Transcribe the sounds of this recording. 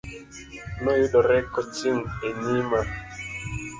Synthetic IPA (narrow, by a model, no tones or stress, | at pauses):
nɔjuɗɔɾɛkɔt͡ʃiŋeɲima